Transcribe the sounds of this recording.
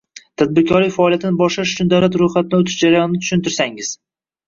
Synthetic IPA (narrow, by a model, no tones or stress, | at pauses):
t̪ʰad̪̚bɪɾkʲʰɒɾlɪfaːlijat̪ʰɪnɪbɒʃlaʃʊt͡ʃʰʊnd̪aɾat̪ɾʊjχat̪ɪnɪot̪ʰɪ̥ʃd͡ʒaɾajɒnɪnɪt̪ʰʊ̥ʃʊnt̪ɪɾsaŋɪz̥